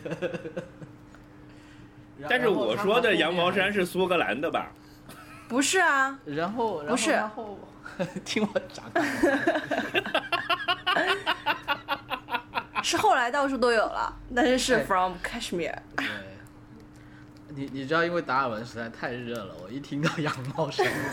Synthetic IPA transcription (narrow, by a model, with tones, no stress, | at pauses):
ɻa˧a˥˧nʂ̬ɻ̩˥˩wwɔ̰˨˩ʂwɔ˥d̪ə˨jɑ˧˥ŋmɑ˧˥ʊʂ̬a˥nʂ̬ɻ̩˥˩su˥kɤ˧˥la̰˧˥nd̪ə˧bɐ̰˨˩ | pu˧˥ʂɻ̩˥˩ɐ˩ɻa˧˥nxo˥˩ʊɻpu˧˥ʂɻ̩˥˩xo˥˩ʊ | t̪ʰi˥ŋwɔ˨˩˦ʈ͡ʂa̰˨˧˥ŋ | ʂɻ̩˥˧xo˥˩ʊla˧˥ɪt̪ɑ˥˧ʊʂ̬u˥˩t̪o˥ʊjo˨˩ʊlɐ̰˦t̪a˥˧nʂɻ̩˥˧ʂɻ̩˥˩fɹɔ˨mkʰɛ˥ʂmḭ˥t̪we˥˩ | ni˧˩ni˨˩ʈ͡ʂɻ̩˧˥t̪ɑ˥˩ʊi˥nwe˥˩ɪt̪a˧˥˨wə˧˥nʂɻ̩˧˥t͡sʰa˥ɪt̪ʰa˥˧ɪɻ̩˥˧ɤ˥˩lə̰˩wɔ̰˨˩i˥˩t̪ʰi˥ŋt̪ɑ˥˩ʊjɑ˧˥ŋmɑ˧˥ʊʂa˥